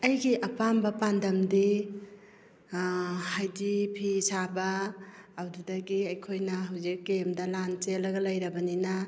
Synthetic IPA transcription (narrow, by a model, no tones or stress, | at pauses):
ɐjɡiʔɐpambɐpandɐmdi | hajdipʰisabaː | wdudɐɡiɐjkʰojnɐɦawzikːemdɐlant͡ʃelɐɡɐlɐjɾɐbɐnina